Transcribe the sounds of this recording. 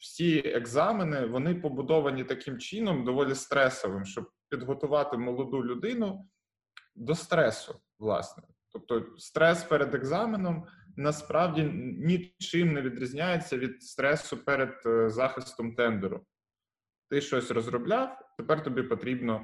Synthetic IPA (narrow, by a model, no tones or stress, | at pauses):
w̥sʲieɡzɑmenɪʋɔnɪpɔbʊd̪ɔʋɐnʲit̪ɐkɪmt͡ʃinɔmd̪ɔʋɔlʲist̪ɾɛsɔʋɪmʃt͡ʃɔb̚pʲid̪ɦɔt̪ʊʋɑt̪ɪmɔlˠɔd̪ulʲʊd̪ɪnʊ | d̪ɔst̪ɾɛsʊ | ʋlˠɑ̰snɛ | t̪ɔp̚t̪ɔst̪ɾɛspɛɾed̪eɡzɑmenɔm | nɐspɾʔɑwdʲinʲit͡ʃɪmneʋʲid̪ɾʲizʲnʲajet͡sʲːɐʋʲid̪̚st̪ɾɛsʊpɛɾed̪̚zɑxɪst̪ɔmt̪ɛnd̪ɛɾʊ̰ | t̪ɪʃt͡ʃɔsʲrɔzɾɔblʲɑwt̪epɛrt̪ɔbʲipɔt̪ɾʲibnɔ